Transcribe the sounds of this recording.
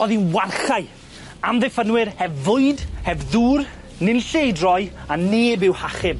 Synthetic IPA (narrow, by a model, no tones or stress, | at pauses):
ɔðinwarɬaɨ | amðɛfənwɪɾhɛvːʊɨdhɛvðuːr | nɪnɬejdrɔjaneːbɪwhaχɪm